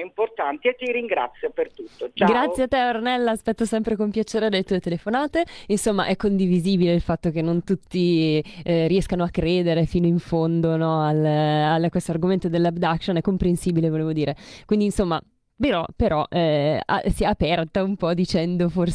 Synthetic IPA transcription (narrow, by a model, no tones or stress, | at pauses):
import̪ant̪iet̪ːiɾiŋɡɾa̰t̪sːjopert̪ut̪ːot͡ʃaɡɾat̪sːjeat̪ːɛoɾanɛlːaːspɛt̪ːosɛmpɾekompjat͡ʃeːɾed̪elːet̪uːet̪elefonaːt̪einsomːaʔɛkːond̪iviziːbileilfat̪ːok̟enːont̪ut̪ːi | ɾiɛskanoakːɾeːd̪eɾefiːnoiɱfond̪onɔalalkːwest̪oarɡoment̪od̪elːabd̪akʃonɛkːompɾensiːbilevoleːvod̪iːɾekwind̪insomːa̰ | peɾɔpeɾɔʔɛa̰siɛapɛrt̪aumpɔd̪it͡ʃɛnd̪ofors